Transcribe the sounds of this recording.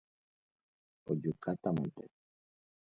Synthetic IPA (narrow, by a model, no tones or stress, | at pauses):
ɔd͡ʒukat̪amɔnt̪ɛ̰